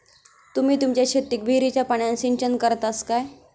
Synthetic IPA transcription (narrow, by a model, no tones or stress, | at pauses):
t̪um̤iːt̪umt͡ɕjaɕet̪ːik̚bʱiɾit͡ɕjapaɳjãnsiɲt͡ɕənkəɾt̪askaj